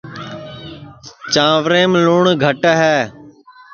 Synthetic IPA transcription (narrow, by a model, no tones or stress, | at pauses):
t͡ʃãːʋɾẽːmluːɳɡʱəʈɦɛː